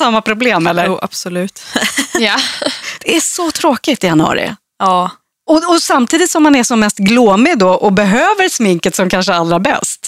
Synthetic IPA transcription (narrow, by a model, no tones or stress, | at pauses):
samːapʰɾʊbleːmɛlːəɾːa̰b̥sɔlʉ̟ːt̪jad̪̥ɛæʂɔt̪ʰɾoːkɪt̪ɪjanəɑ̰ːɾɪ̰ | ɑː | ɔɔsamt̪ʰiːd̪ɪt̪sɔmːanæʂɔmːɛst̪ɡluːmɪd̪ɔʔɔbɛɦøːvəɾsmɪŋkət̪sɔmkʰanʂəalːɾaɾbɛ̰st̪